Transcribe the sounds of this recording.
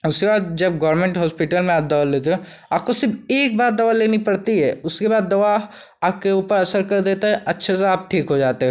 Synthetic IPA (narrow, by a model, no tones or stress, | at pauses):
ʊskebaːd̪̚d͡ʒɐb̚ɡɔːɾmẽːɳʈɦɔːspɪʈəlmẽaːp̚d̪ɐʋaleːt̪eɦɛ̃ | aːp̚kosɪɾfeːk̚baːt̪̚d̪ɐʋaleːnipɐɽt̪iɦɛːʊskebaːd̪ːɐʋa | aːp̚keuːpəɾɐsəɾkɐɾd̪eːt̪aɦɛʔɐtːʃʰeseaːp̚ʈʰiːkɦod͡ʒaːt̪eɦɛ̃